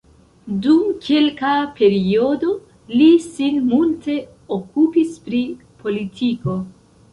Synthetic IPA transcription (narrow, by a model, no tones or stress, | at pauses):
dumkʰelkape̞ɾio̞do̞ | lisinmulte̞ | okupispɾi | pʰo̞litʰiko̞